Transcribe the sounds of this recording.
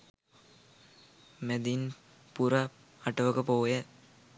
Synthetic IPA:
med̪in | puɾa | ɐʈɐʋəkəpoːjə

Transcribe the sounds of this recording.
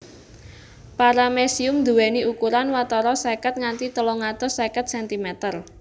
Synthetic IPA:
paɾamesiʊmd̪ṳwɛniʔukuɾanwat̪ɔɾɔsɛkət̪̚ŋant̪it̪əlɔŋat̪ɔsɛkət̪̚sɛnt̪imɛt̪ər

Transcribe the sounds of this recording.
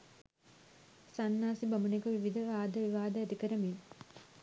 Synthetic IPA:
sanːaːsibɐmunikɐʋiʋid̪ʱɐʋaːd̪ʱɐʋiʋaːd̪ɐæt̪ikəɾəmin

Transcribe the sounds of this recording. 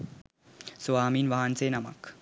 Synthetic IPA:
suaːmiːnʋaɦant͡seːnɐmɐ̰k

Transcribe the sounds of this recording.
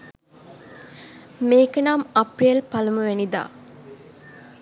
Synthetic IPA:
meːkənaːmaprijəlpaləməʋænid̪a̰ː

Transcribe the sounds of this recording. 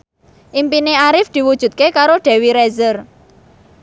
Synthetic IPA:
ʔimpineaɾɪfd̪̥i̤wud̥ʒ̥ṳt̪̚kekaɾoɖ̥ɛ̤wiɾɛzər

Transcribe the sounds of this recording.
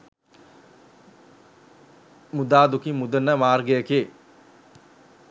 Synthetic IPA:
mud̪aːd̪ukimud̪ənːəmaːrɡəjəkie

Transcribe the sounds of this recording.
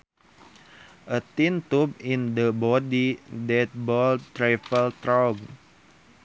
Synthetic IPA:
ʔət̪int̪up̚indəbɔdidɛt̪̚bɔlt̪ɾafəlt̪ɾɔɡ

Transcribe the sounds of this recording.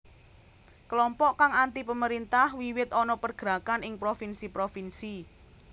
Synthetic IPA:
klɔmpɔʔkaŋant̪ipəməɾint̪ahwiwɪt̪ɔnɔpərɡ̥ɾakanɪŋpɾofinsipɾofinsi

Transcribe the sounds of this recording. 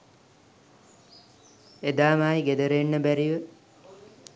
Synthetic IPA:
ed̪aːmaːjiɡed̪əɾeːnːəbæɾiʋə

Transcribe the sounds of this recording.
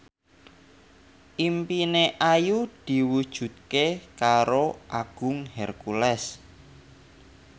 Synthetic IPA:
ʔimpineʔajud̪̥i̤wud̥ʒ̥ṳt̪̚kekaɾoʔaɡ̥ʊ̤ŋhɛrkulɛs

